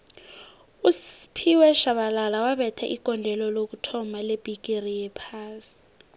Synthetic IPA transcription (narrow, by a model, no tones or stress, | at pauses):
uspʰiwɛʃaɓalalawaɓɛtʰaʔiɡ̥ʼʱɔndʱɛlɔlok̬utʰɔmaleb̥ʱik̬ʼirijɛpʰaːsi̥